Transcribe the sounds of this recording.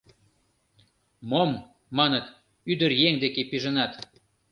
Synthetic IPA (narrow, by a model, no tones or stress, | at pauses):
mom | mɑnət̪ | yd̪ərjeŋd̪ekepiʒənɑt̪